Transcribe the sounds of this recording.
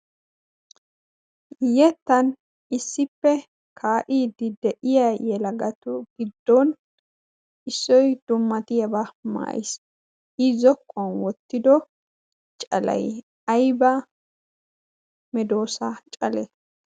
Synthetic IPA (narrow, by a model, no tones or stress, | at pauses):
jɛt̪ːɐn | ɪsːɪpːɛ | kʰaːʔiːd̪ːɪd̪ɛʔɪjɐjɛlɐɡɐt̪ʊɡɪd̪ːon | ɪsːɔjd̪̥ʊmːɐt̪ɪjɐbɐma̰ːjɪs | ɪzɔkːɔɐnwɔt̪ːɪd̪ɔ | t͡ʃʼɐ̰lɐ̰j | ɐjbɐ | mɛd̪o̞ːsɐt͡ʃʼɐlɛ̰